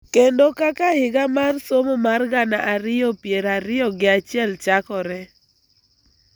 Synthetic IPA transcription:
kendokakahɪɡamarsomomarɡanaʔaɾɪɔpjeɾaɾɪjɔɡɪat͡ʃjɛlt͡ʃakɔɾɛ

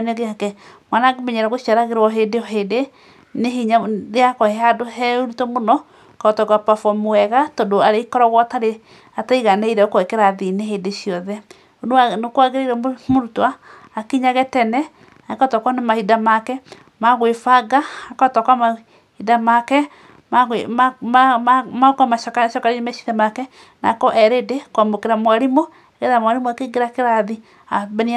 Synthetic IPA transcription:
neɣeakɛmwanaɡemɛɲɛɾɛɣoʃiaɾaɣeɾwɔɦedeɔɦede | neɦeɲaɾeakɔɛadoɦɛonitɔmonɔ | katɔɡwapafɔmoɛɣatɔdoaɾeikɔɾɔɣwɔtaɾe | ataiɣanaiɾɛokoɛkɛɾaðineɦedeɕiɔðɛ | onoanokwaɣeɾaiɾɔmoɾutwaː | kiɲaɣɛtɛnɛ | nakɔtɔkɔnamahidamakɛ | maɣwefaɡaakɔtɔkwama | idamakɛ | maɣ | makamakaʃɔkaɾiemɛʃiðamakɛ | na̰kɔʔɛɾedekwamokeɾamwaɾimo | eɣeðamwaɾemoakeɡeɾakeɾaði | abn

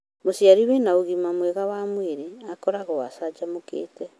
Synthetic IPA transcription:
mosjaɾiwenaoɣimamweɣawamweɾeakɔɾaɣɔwasad͡ʒamokḛːtɛ

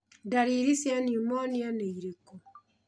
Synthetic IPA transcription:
daɾiɾisjaniomonianeiɾeko

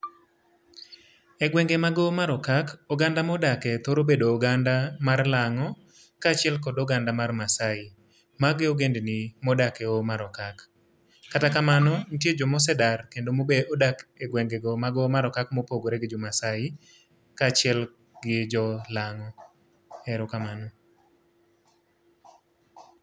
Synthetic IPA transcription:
ɛɡwɛŋɡemaɡɔmaɾɔkakoɡandamɔdakɛt̪oɾobedoːɡandamarlaŋɔ | kat͡ʃɪɛlk̬ɔdɔɡandamarmasaɪ | maɡɪoɡendenɪmɔdakɛomaɾɔkakː | atakamanɔntjed͡ʒɔmɔs̬ɛdarkendomobeʔodakeɡwɛŋɡeɡɔmaɡɔmaɾɔkak̚mopoɡoɾɛɡɪd͡ʒɔmasaɪ | kat͡ʃɪɛl | ɡɪd͡ʒɔlaŋɔ | ɛɾokamanɔ

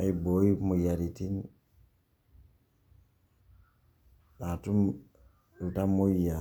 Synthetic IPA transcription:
ajbojimujaɾitin | ɗatum | utamːuja

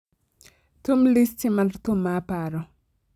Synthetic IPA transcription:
tumlistimartumːapaɾɔ

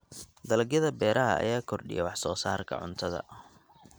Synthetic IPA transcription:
d̪ɐlɐɡjɐðɐbɛːɾɐɦɐ̰ɐ̰jaːkʰɔrɖɪ̰jɛ̰wɑħsɔːsaːrkʰɐ̰ʕʊ̰nt̪ʰɐðɐ̰

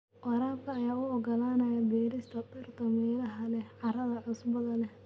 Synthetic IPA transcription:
ʔɔɾaːb̚kʰɐːjaːʊɔɡɐlaːnɐjɐbɛːɾɪst̪ʰɐbɪrt̪ʰɐmɛːlɐɦɐlɛʕɑɾɐðɐʕʊsbɐðɐlɛ

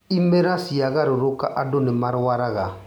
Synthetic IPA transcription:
imɛɾasiaɣaɾoɾokaʔadonɪmaɾwaɾaɣa

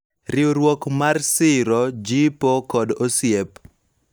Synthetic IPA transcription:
ɾɪoɾwokmarsɪɾɔd͡ʒipokɔdosjep

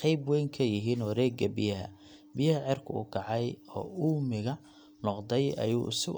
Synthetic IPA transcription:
qɑjbwɛjŋkʰɐjɪɦiːnɔːɾɛːɡɐbɪjɐɦɐ̰ | bɪjɐhɐʕɪrkʰʊʊ̰kʰɑʕɑjɔ̰ːʔuːmɪɣɐ | nɔqd̪ɛjɐ̰jṵːʊsɪ

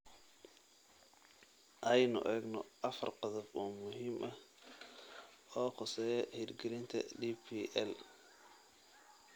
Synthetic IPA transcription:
ʔɐjnʊ̰ʔɛːɡnɔʔɐfɐ̰rqɑðɐbɔːmʊɦiːmʔɐh | ɔːqɔsɛːjɛhid̪ɡɪɾɪnt̪ʰɐ̰diːpʰiʔɛl

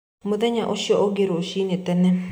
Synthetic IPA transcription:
moðɛɲaʔoʃjɔʔɔɡeɾoʃinetɛnɛ

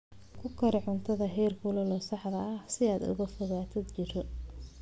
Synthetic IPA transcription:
kʰʊkʰɐɾɪʕʊnt̪ʰɐðɐɦɛːrkʰʊlɐlɔːsɑħd̪ɐʔɐsɪaːd̪ʊ̰ɣɐfɔɣaːt̪ʰɐd̪t͡ʃɪɾɔ

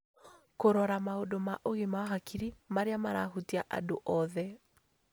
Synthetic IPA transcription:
koɾɔɾamaodomaʔoɣemaɔɦakʰiɾimaɾeamaɾaɦutiaʔa̰doʔɔðɛ

